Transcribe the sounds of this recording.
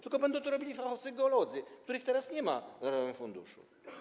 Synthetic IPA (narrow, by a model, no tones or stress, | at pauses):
t̪ɪlkɔbɛnd̪ɔt̪ɔɾɔbʲilʲifaxɔt̪sɨɡɛɔlɔd̪zɨkt̪uɾɪxt̪ɛɾasɲɛmaɾɔvɛmfund̪ṵʂṵ